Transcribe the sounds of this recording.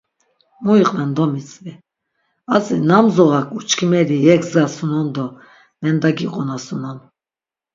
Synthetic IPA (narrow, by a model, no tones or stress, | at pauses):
muiqʼnɛnd̪ɔmit͡sʼvi | azinamzɔʁakʼut͡ʃkʰimɛɾijɛkʰzɡasunɔnd̪ɔ | nɛnd̪aɡiqʼɔnasunɔn